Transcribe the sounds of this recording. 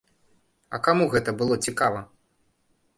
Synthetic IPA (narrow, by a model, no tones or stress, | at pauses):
ɐkamuɣɛt̪ɐbɨlˠɔt͡sʲikavɐ